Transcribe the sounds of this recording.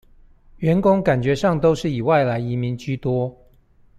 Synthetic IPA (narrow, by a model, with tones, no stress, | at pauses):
ɥɛ˧˦˥nkʊ˥ŋka˨˩nt͡ɕɥɛ˨˧˥ʂɑ˥˩ŋt̪o˥ʊʂɻ̩˥˩i˨˩wa˥˩ɪla˧˥ɪi˧˥mi˧˥ŋt͡ɕy˥˧t̪wɔ˥˦